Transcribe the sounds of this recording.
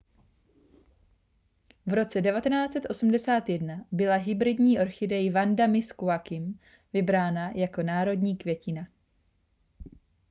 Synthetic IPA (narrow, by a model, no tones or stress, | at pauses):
vɾo̞t͡sɛdɛvat̪ɛnaːt͡sɛt̪ʔo̞sm̩dɛsaːt̪jɛdnabɪlaɦɪbɾɪdɲiːʔo̞ɾxɪdɛjvandamɪskuakɪm | vɪbɾaːnajako̞naːɾo̞dɲiːkvjɛcɪna